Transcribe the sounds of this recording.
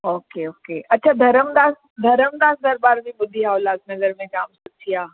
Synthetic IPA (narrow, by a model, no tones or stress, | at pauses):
oːkeoːkeːʔɐtːʃʰad̪ʱɐɾəmd̪aːs | d̪ʱɐɾəmd̪aːsd̪ɐɾbaːɾbʱibʊd̪ʱːiɦaolaːt̪̚nɐɡəɾmẽkaːmsʊt͡ʃʰijaː